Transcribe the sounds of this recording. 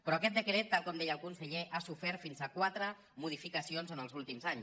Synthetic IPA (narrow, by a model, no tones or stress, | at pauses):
pɾɔakɛt̪̚d̪əkɾet̪ːalˠkɔmd̪ejəlˠkunsəʎeʔasufɛɾt̪finzakwat̪ɾə | muðifikəsionzənəlˠzulˠt̪imzaɲs